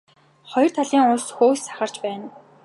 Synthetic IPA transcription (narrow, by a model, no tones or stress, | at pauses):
χɔj̆r̥t̪ʰaɮiːŋʊɮsxoːsːḁχə̆rt͡ɕpæːn